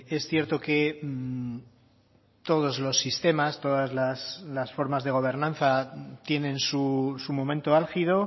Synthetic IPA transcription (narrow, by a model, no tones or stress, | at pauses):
e̞sθje̞ɾt̪o̞ke̞ | t̪o̞ð̞o̞zlo̞sːist̪e̞mast̪o̞ðazlaslasfo̞ɾmazðe̞ɣ̞o̞β̞e̞ɾnãnθat̪je̞nẽ̞nsusumõ̞mẽ̞nt̪oalxiðo̞